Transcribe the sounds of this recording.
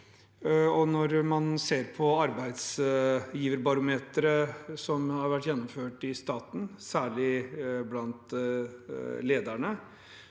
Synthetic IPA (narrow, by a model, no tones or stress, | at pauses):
ɔnɔɾmɑnseːɾpʰɔɑɾbæɪd̪sjiːʋəɾbɑɾʊmeːt̪ɾəsɔmhɑɾʋæʈːjɛnːɔmføːʈɪst̪ɑːt̪n̩sæːɭɪblɑnt̪ | leːd̪æɳə